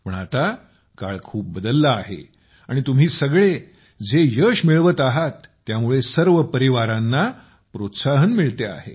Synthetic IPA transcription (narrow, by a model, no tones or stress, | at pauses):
pəɳat̪a | kaɭkʰuːp̚bəd̪əlːaːɦḛ | aɽ̃it̪um̤iːsəɡɭe | d͡zejəɕmiɭʋət̪aɦat̪ːjamuɭesəɾʋəpəɾiʋaɾãnːa | pɾot̪saɦənmiɭt̪ea̰hḛ